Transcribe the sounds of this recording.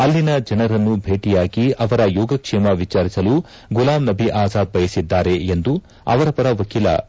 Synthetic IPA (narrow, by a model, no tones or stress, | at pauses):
ɐlːinɐd͡ʒɐnɐɾɐnːubʱeːʈijaːɡiɐʋɐɾɐjɔːɡɐkʂɛmɐʋit͡ʃaːɾisɐlu | ɡulaːmnɐbʱiʔaːzaːd̪̚bʱɐjɐsid̪ːaːɾe̞end̪u | ɐ̰ʋɐɾɐpɐɾɐʋɐkiːlɐ̰